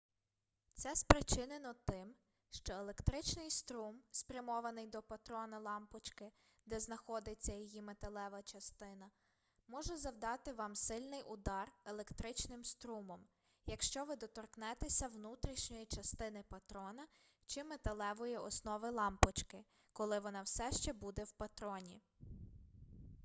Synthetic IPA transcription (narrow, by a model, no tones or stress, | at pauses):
t̪sɛspɾɪt͡ʃɪnenɔt̪ɪm | ʃt͡ʃɔelˠe̞kt̪ɾɪt͡ʃnɪjst̪ɾumspɾʲɐmɔʋɐnɪjd̪ɔpɐt̪ɾɔnɐlˠɑmpɔt͡ʃkɪ | d̪ɛznɐxɔd̪et͡sʲːɐjɔjimet̪elˠɛʋɐt͡ʃɐst̪ɪnɐ | mɔʒɛzɐwd̪ɑt̪ɪʋɑmsɪlʲnɪjʊd̪ɑrelˠekt̪ɾɪt͡ʃnɪmst̪ɾumɔm | jɐkʃt͡ʃɔʋɪd̪ɔt̪ɔrknɛt̪esʲɐwnut̪ɾʲiʃnʲɔjit͡ʃɐst̪ɪnɪpɐt̪ɾɔnɐ | t͡ʃɪmet̪ɐlˠɛʋɔjiɔsnɔʋɪlˠɑmpɔt͡ʃkɪ | kɔlˠɪʋɔnɑwsɛʃt͡ʃɛbud̪ɛwpɐt̪ɾɔnʲi